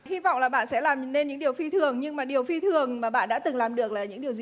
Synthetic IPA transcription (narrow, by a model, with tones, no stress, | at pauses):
hi˧vɔ̰˧˨wŋ͡mlaː˨˩ɓa̰ː˧˨nsɛ̰˧˥laː˨˩m˨˩ne˧nɲɨ̰˧˥ŋɗi˨˩əwfi˧t̪ʰɨ˨˩əŋɲɨ˧ŋmaː˨˩ɗi˨˩əwfi˧t̪ʰɨ˨˩əŋmaː˨˩ɓa̰ː˧˨nɗa̰ː˧˥t̪ɨ˨˩ŋlaː˨˩mɗɨ˨˩ək̚laː˨˩ɲɨ̰˧˥ŋɗi˨˩əwzi˨